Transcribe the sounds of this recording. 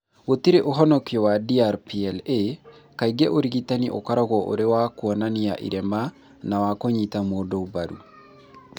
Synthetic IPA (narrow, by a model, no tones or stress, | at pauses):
wotiɾeʔoɦɔnɔkiɔwadiaɾpiɛle | kaiɡɛʔoɾiɣitaniʔo̰kaɾɔɣɔʔo̰ɾewakwɔnania̰ʔḭɾɛma | nawakoɲitamodɔobaɾṵ